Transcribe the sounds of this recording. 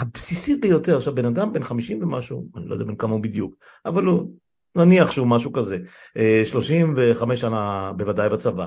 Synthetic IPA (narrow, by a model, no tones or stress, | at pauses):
habsisit̚bejo̞te̞ʁʃabenadambenχamiʃimvemaʃuanilo̰jdɛabenkamaubid̪juk | avalu | naniaχʃeumaʃukaze̞ʔeʃlo̞ʃimve̞χameʃanabevadajbat͡sava